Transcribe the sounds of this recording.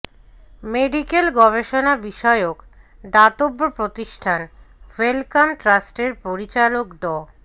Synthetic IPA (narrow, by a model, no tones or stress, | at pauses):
meɖikelɡɔβeʃonabiʃɔeok | d̪at̪obːopɾot̪iʃʈʰanwelkamʈɾasʈeɾpoɾit͡ɕalokɖɔ